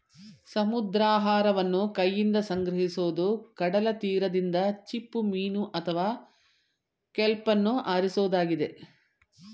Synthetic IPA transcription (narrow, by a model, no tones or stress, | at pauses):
sɐmud̪ɾaːɦaːɾɐʋɐnːukɐjːind̪ɐsɐŋɡɾɐɦisoːd̪ukɐɽɐlɐt̪iːɾɐd̪ind̪ɐt͡ʃipːumiːnuʔɐt̪ʰɐʋaː | kɛlpɐnːuaːɾisoːd̪aːɡid̪e